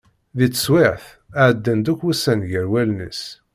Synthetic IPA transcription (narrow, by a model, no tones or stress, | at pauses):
ðit͡sːswɪʕθ | aʕəd̪ːænd̪ukusænʝəɾwælnə̰s